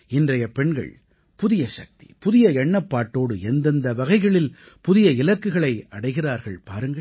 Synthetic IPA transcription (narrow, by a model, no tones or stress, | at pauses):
ɪndrɐjɐpɛɳɡɐ̰ɭ | pʊðɪjɐʂɐk̚t̪i̥̰pʊðɪjɐɛɳːɐpːaːʈːoːɽɯɛnd̪ɐnd̪ɐʋɐɣɐɪɣɐɭɪl | pʊðɪjɐɪlɐkːɯɣɐɭɐɪɐɽɐɪɣɪraːɾɣɐɭpaːɾɯŋɡɐ